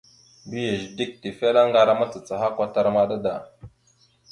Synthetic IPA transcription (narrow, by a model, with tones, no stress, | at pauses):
bi˦je˨ʒdi˦k̚ti˨fe˦la˦ŋɡa˨ɾa˦ma˦t͡sə˨t͡sa˨ɦa˦kʷa˦ta˦ɾma˦da˦da˨